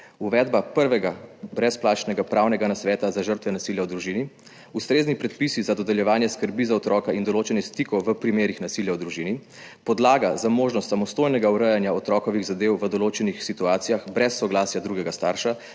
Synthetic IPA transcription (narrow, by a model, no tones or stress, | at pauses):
uʋɛːd̪bapəɾʋɛɡabɾɛsplaːt͡ʃnɛɡapɾaːwnɛɡanasʋɛːt̪azaʒəɾt̪ʋɛnasiljawd̪ɾuʒiːni | ust̪ɾeːznipɾɛt̪pisizad̪ɔd̪ɛljɛʋaːnjɛskəɾbizaɔt̪ɾɔːkɛind̪ɔloːt͡ʃɛnist̪ikɔwʋəpɾimeːɾixnasiːljawd̪ɾuʒiːni | pɔd̪laːɡazamoːʒnɔst̪samɔst̪oːjnɛɡauɾɛjanjaɔt̪ɾɔːkɔʋiɣzad̪eːwʋəd̪ɔloːt͡ʃɛnixsit̪uaːt̪sijaxbɾɛsːɔɡlaːsjad̪ɾuːɡɛɡast̪aːɾʃa